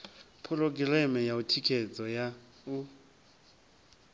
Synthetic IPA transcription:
pʰʊlɔk̬ʼɪlɛmɛjautʰikʰɛt͡sʼɔja | u

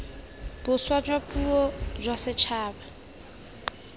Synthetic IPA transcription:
b̥ʊswad͡ʒwapʼuɔd͡ʒwasɪt͡ʃʰaːba

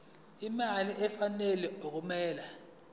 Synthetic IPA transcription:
imaliʔɛfanɛlɛuk̬umɛːla

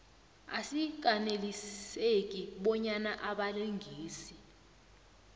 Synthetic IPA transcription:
a̰sik̬ʼanelisekʼiɓɔɲanaʔaɓaleŋʱiːsi

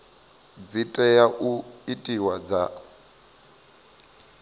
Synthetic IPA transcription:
d͡zitʼɛjaʔuitʼiwad͡za

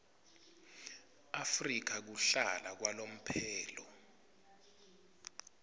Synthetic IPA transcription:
afrik̬ʰak̬uɬalak̬walom̩pʰɛːlɔ

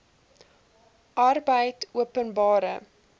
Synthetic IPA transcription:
ʔɐrbəjtuəpənbɑːɾə

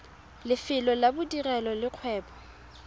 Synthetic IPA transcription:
lɪfɪlɔlabʊdirɛlɔlɪq͡χʰwɛːpɔ̥

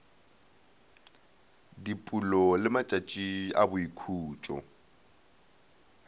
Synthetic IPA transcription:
dipʼulɔlɪmat͡ʃʼat͡ʃʼia̰bʊikʰuːt͡ʃʼɔ̰

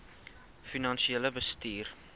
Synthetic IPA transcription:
finɐnʃieləbəstiːr

